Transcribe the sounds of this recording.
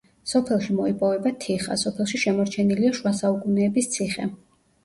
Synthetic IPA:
sɔpʰɛlˠʃimɔipʼɔvɛbat̪ʰiχa̰sɔpʰɛlˠʃiʃɛmɔɾt͡ʃʰɛniliaʃwasaukʼunɛːbist̪sʰiχɛ̰

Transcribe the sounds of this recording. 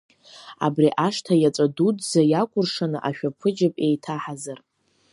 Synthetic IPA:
a̰briʔaʂtʰajat͡sʼadudzajakʷʼʊrʂanɨʔaʃᶣapʰɨd͡ʒapʼejtʰaħazar

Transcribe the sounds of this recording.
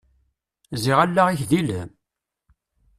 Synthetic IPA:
ziʁælːæʁiçðiləm

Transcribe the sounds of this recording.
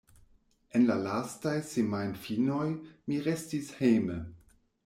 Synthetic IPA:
enlalastajsemajnfinojmiɾestishejmə

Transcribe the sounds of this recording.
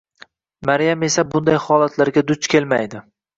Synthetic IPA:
maɾjame̞sabʊnd̪ajhɒːlˠat̪ʰlaɾɡʲad̪ʊt͡ʃkʲʰe̞lmajd̪ɪ

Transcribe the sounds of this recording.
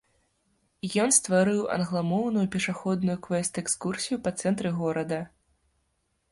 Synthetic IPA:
jɔnst̪vaɾɨwʔɐ̰nɣlˠamɔwnujupʲɛʂaxɔd̪nujukvɛst̪ɛkskursʲijupɐt̪sɛnt̪ɾɨɣɔɾɐd̪ɐ

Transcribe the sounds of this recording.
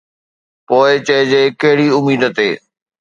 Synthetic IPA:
poːɪt͡ɕɐɪd͡ʑeːkɐɦɪɽiʊmiːd̪ət̪ḛː

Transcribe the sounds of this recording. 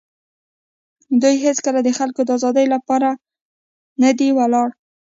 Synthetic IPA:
d̪ujɦet͡skəlad̪əxalkod̪əɑzɑd̪əjlapɑɾa | nad̪iwalɑɽ

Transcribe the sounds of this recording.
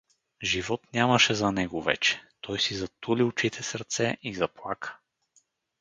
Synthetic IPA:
ʒivɔt̪nʲamɐʃɛzɐnɛɡʊvɛ̰t͡ʃɛ̥t̪ʰɔjsizɐt̪uliʊt͡ʃit̪ʰɛsəɾt̪sɛʔizɐplˠakʰə̥

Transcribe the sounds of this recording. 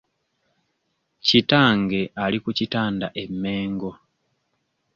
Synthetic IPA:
citaːŋɡe̞ʔalikucitaːndaʔe̞mːe̞ːŋɡo̞

